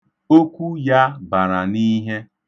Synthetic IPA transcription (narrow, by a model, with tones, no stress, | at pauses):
o˦kʷu˦ja˦ba˨ɾa˨ni˦ɦe˦